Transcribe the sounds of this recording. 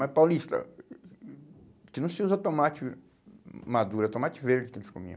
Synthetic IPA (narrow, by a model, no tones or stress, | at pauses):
ɛpawlist̪ɐ̰ | kɪnɐ̃w̃sɪuzɐt̪õmat͡ʃɪ | mad̪uɾɐt̪õmat͡ʃɪveɾd͡ʒɪkelɪskõ̰mḭ̃